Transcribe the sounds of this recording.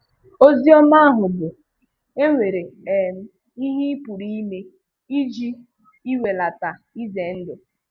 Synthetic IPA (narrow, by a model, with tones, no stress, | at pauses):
o˦zi˦ɔ˦ma˦a˦ɦʊ˨bʊ˨ | e˦ŋʷe˨ɾe˨e˨m̩˦ | i˦ɦi˦i˦pu˨ɾi˦i˦me˦ | i˦d͡ʒi˦ | i˦we˨la˨ta˨ | i˦ze˨n̩˦dʊ˨